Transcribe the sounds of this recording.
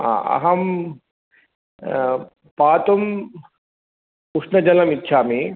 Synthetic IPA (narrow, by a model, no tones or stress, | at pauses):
a̰ɐ̰ɦɐm | paːt̪um | puʂnɐd͡ʒɐlɐmitːʃʰaːmi